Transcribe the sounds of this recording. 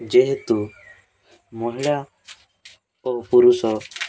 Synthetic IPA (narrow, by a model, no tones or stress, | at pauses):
d͡ʒɛɦɛt̪u | mɔɦiɽa | ɔpuɾusɔ